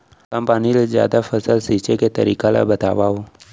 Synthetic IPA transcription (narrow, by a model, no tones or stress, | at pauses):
kə̃mpanilezja̰ːd̪afʰəsəlsiːt͡ʃeket̪əɾiːkala̰bət̪a̰ːʋao